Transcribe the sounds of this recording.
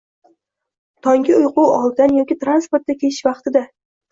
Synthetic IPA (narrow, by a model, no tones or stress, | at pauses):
t̪ʰɒŋɡʲɪʊjqʊwɒlˠd̪anjɒkʲɪt̪ɾanspoɾt̪̚d̪akʲʰeɪ̥ʃvɑqt̪ɪd̪a